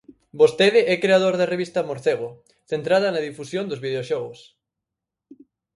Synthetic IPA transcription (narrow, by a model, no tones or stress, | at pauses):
bost̪eðɪɛkɾeaðoɾðereβist̪ɐmoɾθeɣ̞o | θent̪ɾaðɐnaðifusjond̪ozβið̞eoʃɔɣʊs